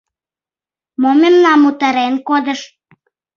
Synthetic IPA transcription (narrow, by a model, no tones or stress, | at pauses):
momemnɑmut̪ə̆ɾenkod̪ə̆ʃ